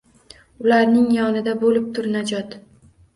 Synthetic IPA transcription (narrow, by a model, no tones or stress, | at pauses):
ʊlaɾnɪŋjɒnɪd̪abolɪp̚t̪ʰʊɾnad͡ʒɒt̪